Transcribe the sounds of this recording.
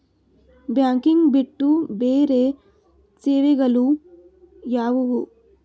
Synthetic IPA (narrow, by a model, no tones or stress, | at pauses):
bjaːŋkiŋɡbiʈːubeːɾeː | t͡ʃeːʋiɡɐlu | jaːʋuwu